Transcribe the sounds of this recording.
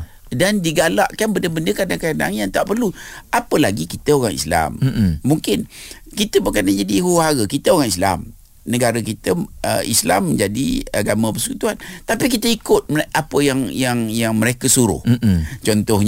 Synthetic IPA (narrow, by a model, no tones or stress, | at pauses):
dandiɡalaʔkanbəndəbəndəkadaŋkada̰ŋjant̪aʔpərluapəlaɡikit̪əoɣaŋḭsla̰mːuŋkɪnkit̪əbəkanad͡ʒadiɦuaɾəkit̪əoɣaŋisla̰m | nəɡaɾəkit̪əə̰ḭsla̰mːəɲd͡ʒadḭaɡamãpərsə̥kut̪uant̪apik̬it̪əikʊt̪̚mʔapəjaŋjaŋjaŋməɾekəsuɾʊ̰ht͡ʃɔnt̪ɔhɲ